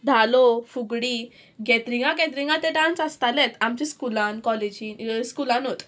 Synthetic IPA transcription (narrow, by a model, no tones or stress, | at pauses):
d̪ʱalofuɡɽiː | ɡɛt̪ɾĩŋɡãkɛ̃t̪̬ɾiŋɡãt̪eɖãnsast̪alɛ̃t̪amt͡ɕiskulãnkɔled͡ʑiːnskulãnɦot̪